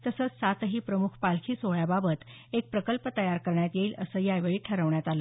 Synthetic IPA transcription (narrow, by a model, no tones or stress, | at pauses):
t̪əsəːt͡ssat̪ɦiːpɾəmukʰpalkʰiːsoɭjababət̪ | ek̚pɾəkəlpət̪əjaɾkəɾɳjat̪jeiːləsəjajʋəɭiːʈʰəɾəʋɳjat̪alə